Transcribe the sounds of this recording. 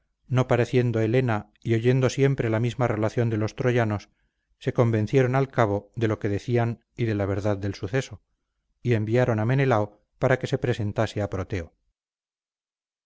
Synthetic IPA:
nopaɾe̞θje̞nd̪o̞e̞le̞na | io̞ʝe̞nd̪o̞sje̞mpɾe̞lamizmare̞laθjo̞nd̪e̞lo̞st̪ɾo̞ʝano̞sː | e̞ko̞mbe̞n̟θje̞ɾo̞nalkaβo̞ðe̞lo̞ke̞ðe̞θian | iðe̞laβ̞e̞ɾðaðːe̞lsuθe̞so̞ | ie̞mbiaɾo̞name̞ne̞lao | paɾake̞se̞pɾe̞se̞nt̪aseapɾot̪e̞o

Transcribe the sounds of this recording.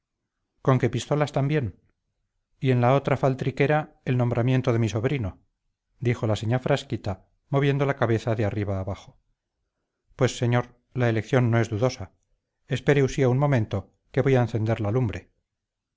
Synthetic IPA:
ko̞ŋke̞pist̪o̞last̪ambje̞n | ie̞nlao̞t̪ɾafalt̪ɾike̞ɾa | elnombɾamje̞nt̪oðe̞miso̞βɾino̞ | d̪ixo̞laseɲafɾaskit̪a | mo̞β̞je̞nd̪o̞lakaβe̞θaðeariβaːβaχo̞̥ | pwe̞sːe̞ɲoɾ | laelekθjo̞nːo̞e̞zðuðo̞sa | espe̞ɾeusiaunmo̞mẽ̞nt̪o̞ | ke̞βo̞jaenθe̞nd̪e̞ɾlaːlumbɾe̞

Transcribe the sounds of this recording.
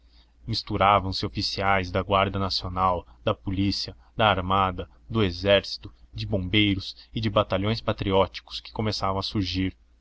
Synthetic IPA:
mist̪uɾavɐ̃w̃sɪofisiajzd̪ɐɡwaɾd̪ɐnasionawd̪ɐpolisiɐ | d̪ɐːɾmad̪ɐ | d̪ʊezɛɾsi̥t̪ʊd͡ʒɪbõbejɾʊsɪd͡ʒɪbat̪aʎõj̃spat̪ɾiɔt͡ʃi̥kʊ̥skɪ̥komesavɐ̃w̃ɐsuɾʒiɾ

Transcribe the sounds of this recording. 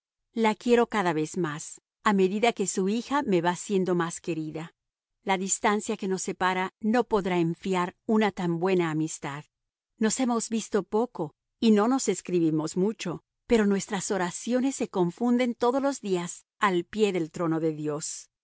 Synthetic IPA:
lakje̞ɾo̞kaðaβe̞zmas | ame̞ðiðake̞suixame̞βasje̞nd̪o̞maske̞ɾiða | laðist̪ansjake̞no̞sːe̞paɾano̞po̞ðɾaeɱfjaɾunat̪ambwe̞naːmist̪að | no̞se̞mo̞zbist̪o̞po̞ko̞ | ino̞no̞se̞skɾiβimo̞zmut͡ʃo̞ | pe̞ɾo̞nwe̞st̪ɾaso̞ɾasjo̞nesːe̞ko̞ɱfund̪e̞nt̪o̞ðozlo̞zðias | alpje̞ðe̞lt̪ɾo̞no̞ðe̞ðjo̞s

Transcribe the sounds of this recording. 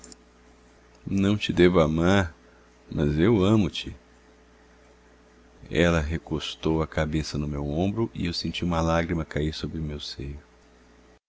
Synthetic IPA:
nɐ̃w̃t͡ʃɪd̪evʊamaɾ | mʔɐzewɐ̃mʊt͡ʃɪ | ɛlɐɦekost̪owɐkabesɐnʊmewõmbɾʊʔɪ̰ewsẽnt͡ʃiũmɐlaɡɾimɐkaiɾsobɾɪʊmewsejʊ

